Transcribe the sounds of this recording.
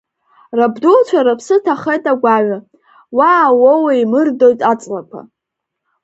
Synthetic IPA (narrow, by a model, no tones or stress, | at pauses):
rabdult͡ʃʷʰaɾapʰsɨtʰaχejtʼaɡʷaɥa | waːwowaimɨrdo̞jtʼat͡sʼlakʷʰa̰